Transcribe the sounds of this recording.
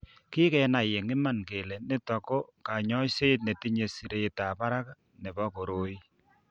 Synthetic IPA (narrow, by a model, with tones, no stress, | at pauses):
kɪ˦kɛ˨na˨je˨ŋɪ˦ma˦˨nke˨lɛ˨nɪ˦tɔ˨ko˦ka˨ɲɔ˦se˦t̬̚ne˨ti˦ɲe˨si˨ɾe˨ta˨pa˦ɾa˦ka˦ | ne˨ba˦ko˨ɾo˦i˦